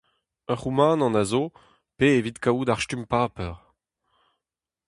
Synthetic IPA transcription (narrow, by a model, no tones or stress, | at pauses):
ə̃ʁumɑ̃ːnɑ̃nazo | peevit̪kaud̪aʁʃtympaːpɛʁ